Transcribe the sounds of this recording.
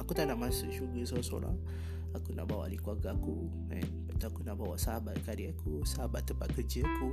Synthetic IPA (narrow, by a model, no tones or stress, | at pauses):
akut̪anamasuʃuɡəsaso̰la̰ | akuna̰bawa̰likwaɡku | ɛ̰nbat̪akunabawasahabat̚kadiakusahabatt̪ːəbakəɾd͡ʒəaku